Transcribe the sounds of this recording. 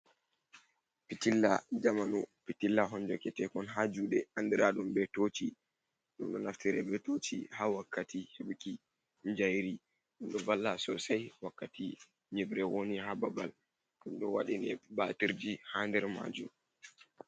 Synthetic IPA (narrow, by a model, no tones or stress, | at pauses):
pitilːad͡ʒamanupitilːaɦɔnd͡ʒɔkɛtɛkɔnɦad͡ʒuːɗɛandiɾaɗumbɛtot͡ʃi | ɗumɗɔnaftiɾɛbɛtot͡ʃḭhawakʰːatʰiheɓki | ɲd͡ʒajɾi | ɗunɗɔvalːasɔsajwakːati | ɲɛbɾɛwonihababal | ɗunɗɔwa̰ɗinɛbatiɾd͡ʒihandɛɾma̰d͡ʒum